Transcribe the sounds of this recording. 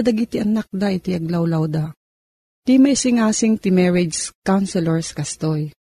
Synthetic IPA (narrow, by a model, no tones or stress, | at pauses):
d̪ɐɡit̪ɪʔɐnak̚d̪aʔɪt̪ɪɐɡlawlawd̪a | t̪imɐʔisɪŋaːsɪŋt̪ɪmɛɹɛd͡ʒskawnsɛlɛɹskɐst̪oj